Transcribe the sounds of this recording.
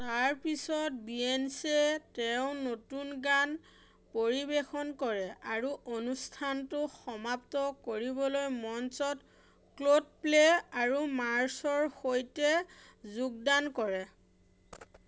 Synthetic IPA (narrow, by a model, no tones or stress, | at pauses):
taɹpisɔt̚biensetɛʊ̃notunɡan | poɹibexɔnkɔɹɛaɹuʔonustʰantʊxɔmaptɔkoɹibɔlojmɔnsɔt | klod̚pleaɹumaɹsɔɹxojtɛ | zuk̚dankɔɹɛ